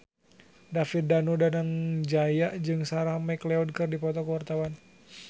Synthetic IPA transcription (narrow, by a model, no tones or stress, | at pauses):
dafit̪̚danudanaŋd͡ʒajaʔd͡ʒɨŋsaɾahmaklɛɔd̚kɨrdipɔt̪ɔkəwart̪awan